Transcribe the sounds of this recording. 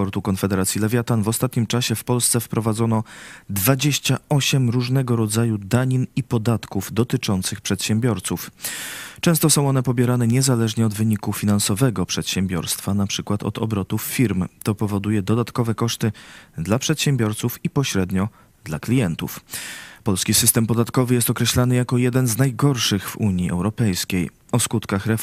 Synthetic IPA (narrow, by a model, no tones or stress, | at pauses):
ɔɾt̪ukɔnfɛd̪ɛɾat̪sʲjilɛvʲjat̪anvɔst̪at̪ɲimt͡ʂaɕɛfpɔlst̪sɛfpɾɔvad̪zɔnɔd̪vad͡ʑeɕt͡ɕaɔɕɛmɾuʐnɛɡɔɾɔd̪zajud̪aɲinipɔd̪at̪kuvd̪ɔt̪ɘt͡ʂɔnt̪sɘxpʂɛt̪ɕɛmbʲjɔɾt̪suf | t͡ʂɛ̃w̃st̪ɔsɔ̃w̃ɔnɛpɔbʲjɛɾanɛɲɛzalɛʐɲɛɔd̪vɘɲikufʲinansɔvɛɡɔpʂɛt̪ɕɛmbʲjɔ̰ɾst̪fanapʂɘkwat̪ʰɔ̰t̪ɔ̰bɾɔt̪ufːʲiɾmt̪ɔpɔvɔd̪ujɛd̪ɔd̪at̪kɔvɛkɔʂt̪ɘd̪lapʂɛt̪ɕɛmbʲjɔɾt̪sufipɔɕɾɛd̪ɲɔ | d̪laklʲijɛnt̪ṵfpɔlskʲisɘst̪ɛmpɔd̪at̪kɔvɘjɛst̪ɔkɾɛɕlanɘjakɔjɛd̪ɛnznajɡɔɾʂɘɣvuɲiʔɛ̰wɾɔpɛjskʲej | ɔskut̪kaxɾɛ